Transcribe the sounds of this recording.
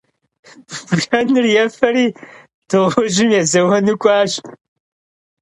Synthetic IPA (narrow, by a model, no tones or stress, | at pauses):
bɬɐnɨrjɛfɐɾiː | d̥ɨʁʷʊʒɪmjɛzɐwɐnɨkʷʼɑːʃ